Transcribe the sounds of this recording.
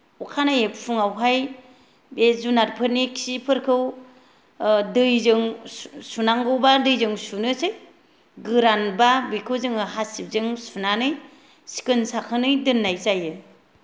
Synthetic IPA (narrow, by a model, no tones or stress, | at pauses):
ukʰanajɯpʰuŋawɦaj | bezunaɾpʰɯniksipʰɯɾkʰɯw | dɯjzɯŋsunaŋɡɯwbadɯjzɯŋsunɯsɯj | ɡɯɾanbabikʰɯwzɯŋɯɦasip̚zɯŋsunanɯj | si̥kɯnsakʰɯnɯjdɯnːajzajɯ